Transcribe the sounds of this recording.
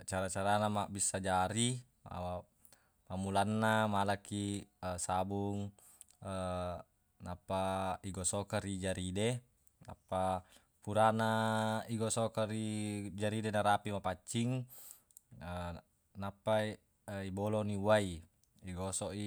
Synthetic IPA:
t͡ʃaɾat͡ʃaɾanamabisːad͡ʒaɾi | ma̰ | mamulanːamalakiəsabuŋ | ə | napːaiɡɔsɔkaɾid͡ʒaɾide | na̰pːa | puɾanaiɡɔsɔkarid͡ʒaɾidenaɾapimapat͡ʃːiŋ | ə | napːai | ibɔlɔniuai | iɡɔsɔʔi

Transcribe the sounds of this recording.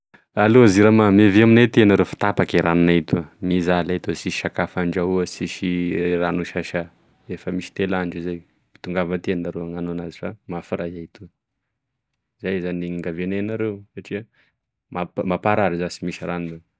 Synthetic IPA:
aloaziɾamameviaminet̪enaɾeufi̥t̪apakiɾaninait̪uamizalait̪usiʃakafaɳɖ͡ʐauəsiʃiranuʃaʃa | efəmisi̥t̪elaɳɖ͡ʐizaj | pi̥t̪uŋɡavət̪enaɾeaŋanoanazifamafiɾajait̪u | zajzaniŋɡavenenaɾeusaʈ͡ʂia | mapmapaɾaɾizasimisiɾannu

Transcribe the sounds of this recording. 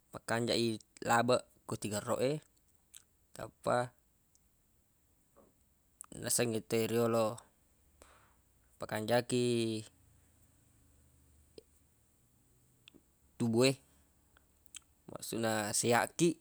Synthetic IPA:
makaɲd͡ʒaʔilabaʔ | kut̪iɡaro̰ʔe | t̪a̰pːa | nasəŋit̪eiɾiolo | pakaɲd͡ʒaki | t̪ubue | ma̰ʔsuʔnasea̰ʔkiʔ

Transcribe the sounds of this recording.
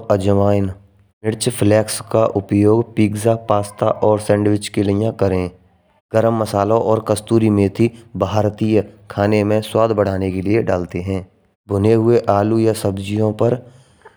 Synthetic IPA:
əd͡ʒəʋaːɪn | mɪɾt͡ʃpʰlɛːkskaʔʊpjoːɡpiːɡzapaːst̪aʔɔːɾsɛ̃ːɳɖwɪt͡ʃkelɪjãkəɾẽː | ɡ̥əɾəmːəsaːlõʔɔːɾkəst̪uːɾimẽt̪ʰibʱaːɾt̪iːjkʰaːnemẽswaːd̪ʱbəɽ̤aːnekelieɖaːlt̪eɦɛ̃ː | bʱʊneɦʊeʔaːlujasəbd͡ʒijõpəɾ

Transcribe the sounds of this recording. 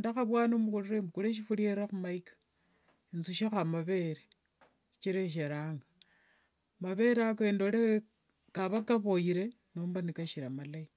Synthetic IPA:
ndaxaβwaːnomukuluɾemukuɾeʃ̬ifulieɾaxumaikḁ | int͡suʃaxamaβe̞ɾe | i̥t͡ʃiɾeʃ̬eɾaːŋɡa | maβe̞ɾakendoɾe | kaβakaβojiɾe̞ | noːmbanikaʃiɾamalai

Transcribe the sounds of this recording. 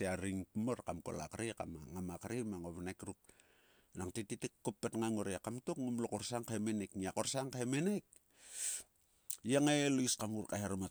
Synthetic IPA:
eaɾiŋpmoɾkamko̰la̰kɾika̰maŋamakaɾimaŋoβanakɾup̚ | naŋtititikːopːetŋaŋoɾeakamtokŋumlokoɾsaŋkemenekniakoɾsaŋkaemenek | jaŋeliskamuɾkaheɾama

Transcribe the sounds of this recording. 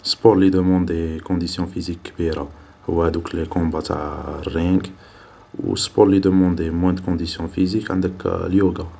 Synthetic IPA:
spɔɾlid̪əmɑ̃d̪ekɔ̃d̪isjɔ̃fizikːbiɾa | hʊ̰wːæd̪ũklekɔ̃bat̪ʰa̰ʕərːiɡ | ṵspɔɾlid̪əmɑ̃d̪emwæ̃d̪kɔ̃d̪isjɔ̃fizikʕənd̪əkljuɡa

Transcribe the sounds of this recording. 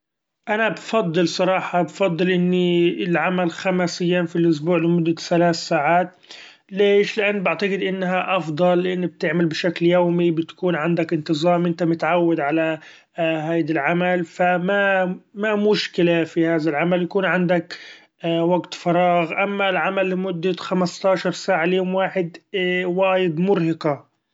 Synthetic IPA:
ʔanabfɑd̪ˤːɨlsˤɑɾˤɑːħɑbfɑd̪ˤːɨlʔɪnːiɪlʕamalxamasɪjːanfilʔʊs̬buːʕlɪmʊd̪ːaθalaːθsaːʕaːt̪ | leːʃlɪʔanːbaʕt̪aɡɪd̪ʔɪnːɦaʔɑfd̪ˤɑlːʔɪnːab̚t̪ɪʕmalbɪʃakljoːmibɪt̪ḁkuːnʕɪnd̪akɪnt̪ɨzˤɑːmʔɪnt̪amʊt̪ʕawːad̪ʕala | ɦaːd̪alʕamalfamamamʊʃkɪlafihaːðalʕamaljakuːnʕɪnd̪ak | waɡt̪fɑɾˤɑːɣʔamːalʕamalːɪmʊd̪ːaxamast̪ɑːʃɑɾˤsaːʕaljoːmwaːħɪd̪waːjɪd̪mʊɾhɪqɑ

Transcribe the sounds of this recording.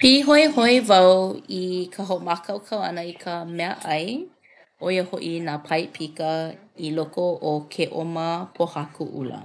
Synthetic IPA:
piːɦojhoivɐwikʰəɦomakʰɐwkʰɐwɐ̰nəikʰəmɛɐʔɐj | ʔoiəhoʔinaːpʰɐjpʰikəilokoʔokʰeʔoməpʰohakuʔṵlə̰

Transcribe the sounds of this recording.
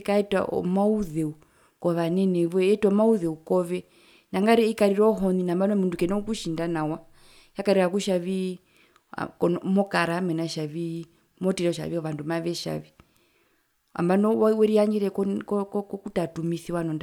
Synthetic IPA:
kaɛta̰ʔɔ̰mauðɛu | kɔʋanɛnɛβɛɛtɔmauðɛukɔβɛ | naŋɡaɾiikaɾiɾɔɦɔninambanɔmundukɛnɛukuʃindanawa | jakaɾiɾakuʃaβi | a̰kɔnɔmɔkaɾamɛnaʃaβi | mɔtiɾɔɔʃa̰βiɔʋandumaʋɛʃa̰βi | a̰mbanɔwwɛɾiaɲɡiɾɛkkkkutatumiθiwanɔnd

